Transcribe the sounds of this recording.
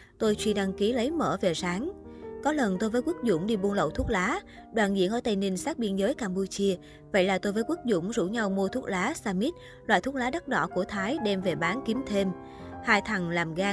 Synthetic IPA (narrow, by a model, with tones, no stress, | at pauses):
t̪o˧jt͡ɕwi˧ɗa˧ŋki˨˦lə˨˦jməː˧˩ve˨˩saː˨˦ŋkɔ˨˦lə˨˩nt̪o˧jvəː˨˦jku˦˥k̚zʊ̰˧˩ŋ͡mɗi˧ɓu˧ənlə̰˧˨wt̪ʰu˦˥t̚laː˨˦ | ɗwaː˧˨nzḭ˧˥ənʔəː˧˩t̪a˧jni˧ŋsaː˦˥k̚ɓi˧ənzəː˨˦jkaː˧mpu˧t͡ɕi˧ə | və̰˧˨jlaː˨˩t̪o˧jvəː˨˦jku˦˥t̚zʊ̰˧˩ŋ͡mzṵ˧˥ɲa˧wmu˧ət̪ʰu˦˥əkt̚laː˨˦saː˧mi˦˥t̚ | lwa̰ː˧˨t̪u˦˥t̚laː˨˦ɗa˦˥t̚ɗɔ̰˧˨ku˧˩ət̪ʰaː˨˦jɗɛ˧mve˨˩ɓaː˨˦nki˨˦mt̪ʰe˧m | haː˧jt̪ʰa˨˩ŋlaː˨˩mɣaː˧